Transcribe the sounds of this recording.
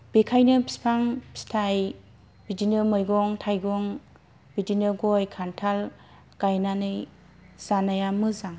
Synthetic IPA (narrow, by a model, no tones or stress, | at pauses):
b̥ekʰajnɯbi̥spʰaŋpʰi̥stʰaj | bidinɯmɯjɡɔŋtʰajɡɔŋ | bidinɯɡɔjkʰantʰal | ɡ̥ajnanɯj | z̥anajamɯzaŋ